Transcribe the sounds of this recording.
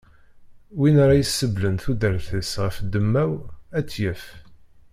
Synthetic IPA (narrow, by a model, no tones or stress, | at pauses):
winaɾˤɑjəsːəblənθud̪əɾθəsʁəfd̪əmːæwæt͡sːjəf